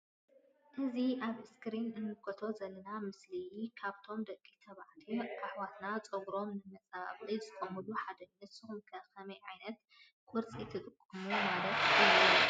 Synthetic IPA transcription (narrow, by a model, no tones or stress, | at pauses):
ʔɨziʔaβɨskʰɨɾinɨnːɨkʰot̪ʰo̞zɐlːɐnamɨslijkʰaβt̪ʰo̞md̪ɐkʼːit̪ʰɐβaʕt̪ʰikʼaħwat̪nat͡sʼɐɡɾo̞mnɨmɐt͡sʼaa̰βʼizɨkʼomuluħad̪ɐnːɨt̪sɨxumkʰɐkɐmɐjʕajnɐt̪ | kʼʊɾt͡sʼit̪ʰɨt̪ʼɨkʼːɨmumalɐt̪jijɐu